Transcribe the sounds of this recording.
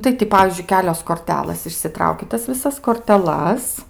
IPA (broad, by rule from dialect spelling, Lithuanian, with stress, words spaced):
tɐɪ tʲɪ ˈpɑːʋʲiːzʲd͡ʒʲʊɪ ˈkʲæːlʲoːs koːrʲˈtʲæːlˠɘs ɪʃʲsʲɪˈtrɐʊkʲɪ ˈtɐs ʋʲɪˈsɐs koːrʲtʲɛˈlˠɐs